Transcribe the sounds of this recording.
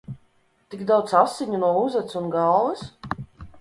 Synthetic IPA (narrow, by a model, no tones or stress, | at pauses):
t̪iɡd̪awt̪sasːiɲunuɔuzat̪sunɡalˠvɛs